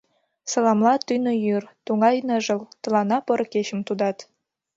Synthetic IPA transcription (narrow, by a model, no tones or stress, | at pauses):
sɤ̆lɑmlɑt̪ynojyrt̪uŋɑjnəʒə̆lt̪ɤ̆lɑnɑpɤ̆ɾkeɕə̆mt̪ud̪ɑt̪